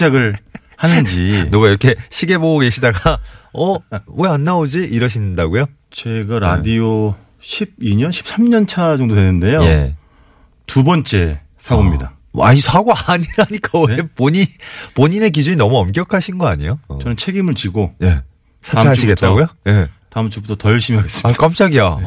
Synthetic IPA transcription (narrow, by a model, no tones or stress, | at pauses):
d͡ʑaɡɯɭ | hanɯnd͡ʑinoɡaiɾʌkʰe̞ɕʰiɡe̞boɡoɡe̞ɕʰidaɡaʌwe̞anːaod͡ʑiʔiɾʌɕ̬ʰindaɡujo | t͡ɕe̞ɡaɾadio | ɕʰib̚iɲʌnɕʰi̥p̚s͈ʰamɲʌnt͡ɕʰad͡ʑʌŋdoɦenːɯnde̞joje̞̰ | tubʌnt͡ɕ͈e̞ | sʰaɡomɲida̰ | a̰isʰaɡoaɲiɾaɲik͈awepoɲipoɲine̞k̬id͡ʑuɲinʌmuʌmk̬͈jʌkʰaɕʰinɡʌaɲijot͡ɕʌnɯnt͡ɕʰe̞ɡimɯɭt͡ɕiɡoje̞̰ | sʰaeaiɡetʰt͈aɡojoje̞taɯmt͡ɕʰubutʰʌtʌɭɕʰimiɦaɡes͈ɯ̥mak͈amt͡ɕ͈aɡija